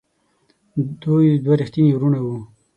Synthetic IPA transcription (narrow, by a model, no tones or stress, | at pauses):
d̪ujd̪waɾixt̪inwɾunawu